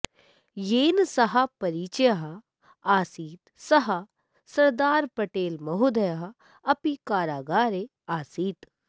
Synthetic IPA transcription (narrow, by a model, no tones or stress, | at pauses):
jeːnsɐɦapɐɾiːt͡ʃjaɦa | aːsiːt̪sɐɦa | sɐɾd̪aːɾpɐʈeːlmɐɦud̪ɐjaɦ | ɐpikaːɾaːɡaːɾe | aːsiːt̪